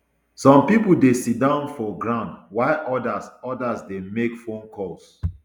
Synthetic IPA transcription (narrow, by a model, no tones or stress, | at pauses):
sɔ̃mpipudesit̚dãʊ̃nfɔɡɹãndwaɪʔɔdasɔdasdemekfõnkʰɔs